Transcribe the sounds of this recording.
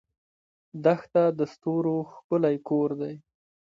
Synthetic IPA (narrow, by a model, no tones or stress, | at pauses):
d̪axt̪ad̪əst̪oɾoxkʊlajkoɾd̪aj